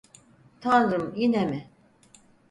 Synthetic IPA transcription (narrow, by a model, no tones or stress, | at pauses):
t̪ʰanɾɯmjinɛmɪ